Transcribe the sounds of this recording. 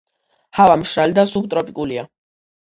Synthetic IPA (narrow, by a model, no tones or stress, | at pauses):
havamʃɾalid̪asub̚t̪ʼɾɔpʼikʼulia